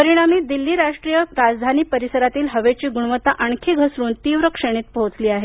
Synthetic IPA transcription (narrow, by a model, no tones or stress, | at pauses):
pəɾiɽ̃amiːd̪ilːiːɾaʂʈɾijəɾad͡zd̪ʱaniːpəɾisəɾat̪iːlɦəʋet͡ɕiːɡuɳʋət̪aʔəɳkʰeɡʱəsɾuːnt̪iːʋɾəkʂeɽ̃iːt̪̚pəɦot͡sliːaɦe